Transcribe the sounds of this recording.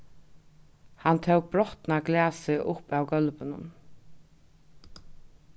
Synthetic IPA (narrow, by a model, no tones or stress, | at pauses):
hant̪ʰɛwk̚bɾɔht̪naɡlæːsɪʔʊpawɡœlpɪnʊ̰n